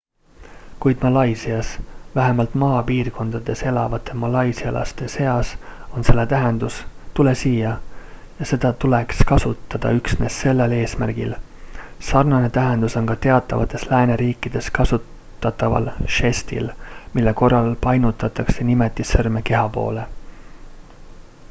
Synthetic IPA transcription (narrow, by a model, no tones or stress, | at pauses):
kujd̪̥mɑlɑjsiɑsvæɦe̞mɑlt̪mɑːpiːrko̞nd̪̥ɑd̪̥e̞se̞lɑvɑt̪ːˑe̞mɑlɑjsiɑlʔɑ̰st̪e̞se̞ɑso̞nse̞lːet̪æɦe̞nd̪̥ust̪ule̞siːjɑ | jɑse̞d̪̥ɑt̪ule̞kskɑsut̪ːˑɑd̪̥ɑ̰yksne̞ːsse̞lːe̞le̞ːsmærɡ̥il | sɑrnɑne̞t̪æɦe̞nd̪uso̞nkɑt̪e̞ɑt̪ːˑɑvɑ̰t̪ːˑe̞slæːne̞ɾiːkːˑid̪̥e̞skɑsut̪ːˑ | ɑt̪ːˑɑvɑ̰lʃe̞st̪ḭlmilːe̞ko̞rːɑlpɑjnut̪ːˑɑt̪ːˑɑkse̞nime̞t̪ːˑisɤrme̞ke̞ɦɑpo̰ːle̞